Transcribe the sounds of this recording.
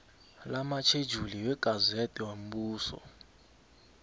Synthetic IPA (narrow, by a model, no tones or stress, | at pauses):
lamat͡ʃʰe̥d͡ʒʱuliwɛɡ̥ʱazetʼɛwam̩buːsɔ̰